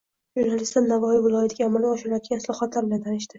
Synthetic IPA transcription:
ʒuɾnalɪst̪laɾnavɒjɪvɪlˠɒjat̪ʰɪɡʲaːmalɪɒʃɪljat̪ʰɪɡʲãɪslˠɒχɒt̪ʰlaɾbɪlant̪ʰanɪʃt̪ɪ

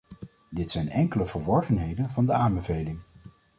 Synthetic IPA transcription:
dɪtsɛjnɛŋkələvəɹʋɔɹχənɦejdənvɑndəaːmbəvejlɪŋ

